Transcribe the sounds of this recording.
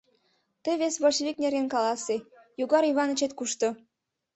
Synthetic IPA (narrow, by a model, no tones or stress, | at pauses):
t̪əβesβolʲʃβʲik̚nʲeɾenkɑlɑse | juɣɑɾiβɑnə̆t͡ɕet̪kuʃt̪o